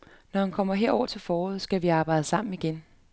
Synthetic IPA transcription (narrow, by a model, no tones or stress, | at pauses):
nɒhænkʰɒ̽m̰ɐɦeɐ̰ɒ̰ːɐt͡sʰe̝lfɒːɔð̩̰ˠsɡ̥æʋiɑ̈ːb̥ɑ̈ɪ̰d̥əsɑ̈m̰n̩iɡ̥en